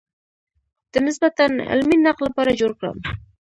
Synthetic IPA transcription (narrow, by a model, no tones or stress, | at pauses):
d̪̥ɪnɪsbat̪anɪ̰lminːɑqlˠɪpɑɾad͡ʒoɾkɾa̰m